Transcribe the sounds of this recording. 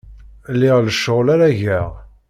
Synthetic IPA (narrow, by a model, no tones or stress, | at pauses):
lːɪʁləʃːəʁlaɾæʝæʁ